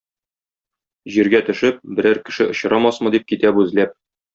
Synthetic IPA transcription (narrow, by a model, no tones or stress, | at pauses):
ʑiɾɡæt̪ɵ̆ʃɘp̚bɘ̆ɾæɾkɘ̆ʃɘʔŏɕɾɑmɑsmɤ̆d̪ip̚kit̪æpʉzlæp̚